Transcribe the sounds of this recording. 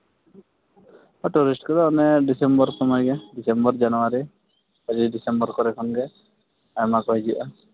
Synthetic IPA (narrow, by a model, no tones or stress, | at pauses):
ɔʈuɾisʈkɔɾɛɔnɛɖisembɔɾsɔmɔjɡɛɖisembɔɾd͡ʒanuaɾi | ad͡ʒiɖisembɔɾkɔɾɛkʰɔnɡɛ | ajmakɔɦid͡ʒiʔa